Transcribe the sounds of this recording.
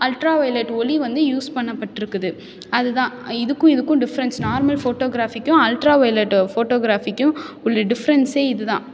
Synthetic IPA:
ɐlʈɾaːʋɐɪlɐʈːɔliʋɐnd̪ɯjuːspɐɳːɐpːɐʈːɪɾɯkːɯðɯ | ɐðɯðãːɪðɯkːʊ̃ɪðɯkːʊ̃ɖɪfɐɾɐnsnaːɾmɐlfoːʈoːɡɪɾaːfɪkːʊ̃ɐlʈɾaːʋɐɪlɐʈːfoːʈoːɡɪɾaːfɪkːʊ̃ʊɭːɐɖɪfɐɾɐnseːɪðɯðãː

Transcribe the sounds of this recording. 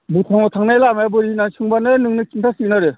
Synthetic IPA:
but̪ʰaŋɔt̪ʰaŋnajlamajbɯɾinansʰɯŋbanɯnɯŋnɯkintʰasik̚naɾe

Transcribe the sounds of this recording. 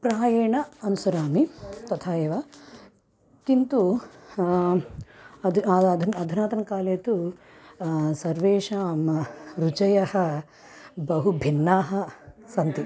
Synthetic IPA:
pɾaːjeːɳɐɐnusɐɾaːmit̪ɐt̪ʰaːeːʋaː | kint̪u | ɐd̪ʱɐd̪ʱunɐd̪ʱunaːt̪ɐnɐkaːleːt̪u | sɐɾʋeːʃaːmɾut͡ʃɐjɐhɐ | bɐɦubʱinːaːɦɐsɐnt̪i

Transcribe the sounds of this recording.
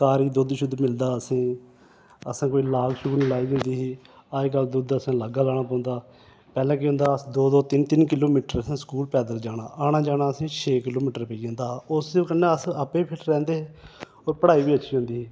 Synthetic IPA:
kaːɾiːd̪ʊd̪ʃʊd̪mɪld̪aːəsĩː | əsãːkoːiːlaːlʃʊɡnĩːlaːiːd̪ẽnd̪iːɦiː | aːd͡ʒkəld̪ʊd̪əsãːləɡaːlaːɽ̃aːpãːnd̪aː | pɛːlɛ̃ːkɪɦʊ̃ːnd̪aːəsd̪oːd̪oːt̪ɪnt̪ɪnkɪloːmiːʈəɾəsãːskuːlpɛːd̪əɾd͡ʒaːɽa̰ːʔaːɽaːd͡ʒaːɽ̃aːəsĩːt͡ʃʰeːkɪloːmiːʈəɾpəĩːnd̪aːʊskənːẽːəsəpẽːpʰɪlɾɛ̃ːnd̪eː | oːɾpəɽaːiːbiːət͡ʃːʃʰiːɦõːnd̪iːɦiː

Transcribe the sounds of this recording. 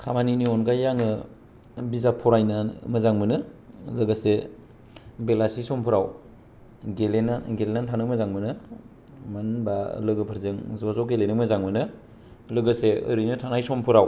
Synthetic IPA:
kʰamaniniɔnɡajːaŋɯ | bizapʰɔɾajnamɯzaŋmɯnɯ | lɯɡɯse | belasisɔmpʰuɾaw | ɡelenaɡelenantʰanɯmɯzaŋmɯnɯ | manba̰lɯɡɯpʰɯɾzɯŋzɔzɔɡelenɯmɯzaŋmɯnɯ | lɯɡɯseɯ̰ɾɯjnɯtʰanajsɔmpʰuɾaw

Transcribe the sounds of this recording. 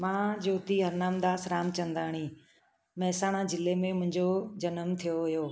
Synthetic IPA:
mãːd͡ʑoːt̪iɦɐɾnaːmd̪aːsɾaːmt͡ɕɐ̃nd̪aːɽ̃iː | mɐɦsaːɽ̃ãd͡ʑɪlemẽmʊ̃ɦɪ̃ɲd͡ʑod͡ʑɐnəmt̪ʰijoɦʊjoː

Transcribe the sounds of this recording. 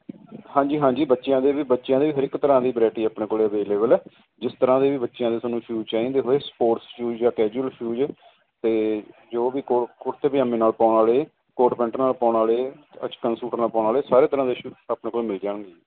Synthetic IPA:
hãːd͡ʒiːɦãːɲd͡ʒiːbətːʃjãːd̪eːʋiːbətːʃjãːd̪eːʋiːɦəɾɪkt̪ːəɾãːd̪iːbɾɛːʈiːaːpɳeːkoːleːəʋeːleːbəlɛː | d͡ʒɪst̪əɾãːd̪eːʋiːbətːʃjãːd̪eːsənũːʃʰjuːt͡ʃaːĩːnd̪eːɦoeːspoːɾsʃjuːd͡ʒd͡ʒaːkɛːd͡ʒuəlʃʰjuːd͡ʒ | t̪eːd͡ʒoːʋiːkokʊʈt̪eːpɪjãːmẽːnaːlpaːɳaːleː | koːʈpɛ̃ɳʈənaːlpaːɳaːleːət͡ʃkənsuːʈəɾnaːlpaːnaːleːsaːɾeːt̪əɾãːd̪eːʃuːaːpneːkoːlemɪliːd͡ʒaːɽ̃ɡ̪eː

